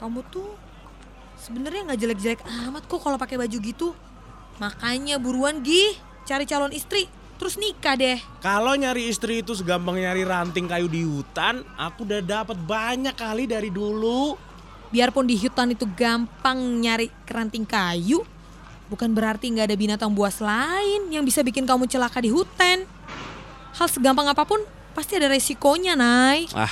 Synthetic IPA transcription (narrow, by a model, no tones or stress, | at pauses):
kamut̪u | səbənərɲaŋɡad͡ʒəlɛk̚d͡ʒəlɛkamat̪̚kɔkalopakebad͡ʒuɡit̪u | makaɲabuɾuanɡɪh | t͡ʃaɾit͡ʃalɔnist̪ɾi | t̪əɾʊsnikadɛhkaloɲaɾiːst̪ɾiːt̪us̬əɡampaŋɲaɾiɾant̪ɪŋkajudiɦut̪ana̰kudadapət̪̚baɲakːalidaɾidulu | biarpʊndiɦut̪anit̪uɡampaŋɲaɾi | rant̪ɪŋkaju | bukanbəɾart̪iəŋɡaːdabinat̪aŋbuaslaɪnjaŋbisabikɪnkamut͡ʃəlakadiɦut̪an | halsəɡampaŋapapʊn | past̪iadaɾesikoɲanaia̰